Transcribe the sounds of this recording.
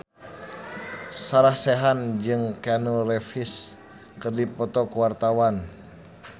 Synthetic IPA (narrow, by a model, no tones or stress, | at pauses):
saɾahseɦand͡ʒɨŋkanurɛfis | kɨrdipɔt̪ɔkuwart̪awan